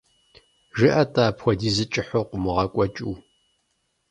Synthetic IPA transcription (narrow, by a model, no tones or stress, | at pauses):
ʒɨʔɐtʼaːpxʷɔdiːzɨt͡ʃʼɪħoqʷʊmɨʁɐkʷʼɔt͡ʃʼuː